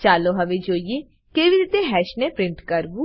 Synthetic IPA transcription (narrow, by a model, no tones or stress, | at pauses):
t͡ʃaːloːɦəʋeːd͡ʒoːieː | keʋiɾiːt̪eːɦɛːʃneːpɾɪ̃ɳʈkəɾbuː